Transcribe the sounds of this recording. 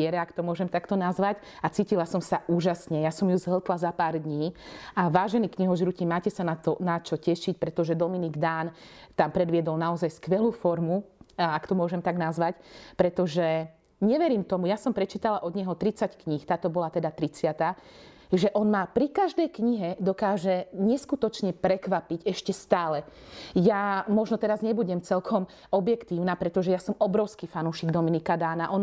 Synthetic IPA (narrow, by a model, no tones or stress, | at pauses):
ɛɾɛakt̪ɔmʊɔʒɛmt̪akt̪ɔnazʋac | at͡siːcilasɔmsaʔuːʒasɲɛjasɔmjuzɦl̩t̪lazapaːɾd̪ɲiːaʋaːʒɛniːkɲiɦɔʒɾucimaːcɛsanat̪ɔnat͡ʃɔcɛʃic̚pɾɛt̪ɔʒɛd̪ɔminiɡd̪aːnt̪ampɾɛd̪ʋɪɛd̪ɔlnaɔzajskʋɛluːfɔɾmuakt̪ɔmʊɔʒɛmt̪aɡnazʋacpɾɛt̪ɔʒɛ | ɲɛʋɛɾiːmt̪ɔmujasɔmpɾɛt͡ʃiːt̪alaʔɔd̪ɲɛɦɔt̪ɾit͡sackɲixt̪aːt̪ɔbɔlat̪ɛd̪at̪ɾit͡sɪat̪aː | ʒɛʔɔnmapɾikaʒd̪ɛjkɲiɦɛd̪ɔkaːʒɛɲɛskut̪ɔt͡ʃɲɛpɾɛkʋapiɟɛʃcɛst̪aːlɛjamɔʒnɔt̪ɛɾazɲɛbuɟɛmt͡sɛlkʰɔm | ɔbjɛkt̪iːʊnapɾɛt̪ɔʒɛjasɔmɔbɾɔʊskiːfanuʃiɡd̪ɔminikad̪aːnaʔɔn